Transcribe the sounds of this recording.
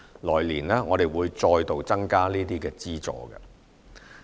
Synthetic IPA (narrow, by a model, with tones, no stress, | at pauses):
lɔː˨˩jliː˨˩nlɛː˥ŋɔː˨˧t̪e˨jwuː˨˧jt͡sɔː˧jt̪o˨wt͡sɐ˥ŋkaː˥niː˥t̪iː˥kɛː˧t͡siː˥t͡sɔ̰ː˨˧ɡɐ̰˧